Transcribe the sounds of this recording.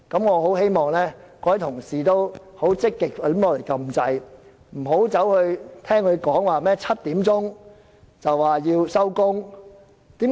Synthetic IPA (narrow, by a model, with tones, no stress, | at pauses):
kɐ˨˥mŋɔː˨˧ɦo˨˥whe˥jmɔː˨˩ŋlɛː˥kɔː˧˥hɐ˨˥jt̪ʰʊ˨˩ŋsiː˨˩t̪o˥w | ho˨˥wt͡sɪ˥kːɪ˨k̚a˨˩˨lɔː˨˧le˨˩jkɐ˧mt͡sɐ˧j | m̩˨˩ɦo˨˥wt͡sɐ˨˥whɵ˧ɥt̪ʰɛː˥ŋhɵ˨˧ɥkɔː˨˥ŋwaː˨˩mɛː˥t͡sʰɐ˥t̚t̪iː˨˥mt͡sʊ˥ŋ | t͡sɐ˨wːaː˨˩jiː˧wsɐ˥wkʊ˥ŋ | t̪iː˨˥